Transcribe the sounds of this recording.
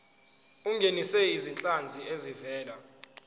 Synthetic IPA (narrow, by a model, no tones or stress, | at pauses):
uŋɡʱenisɛizint͡ɬʼand͡zʱiezivɛːla